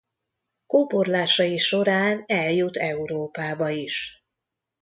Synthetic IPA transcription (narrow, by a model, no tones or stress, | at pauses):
koːporlaːʃɒjiʃo̞ɾaːnɛljut̪ʰɛuɾoːpaːbɒiʃ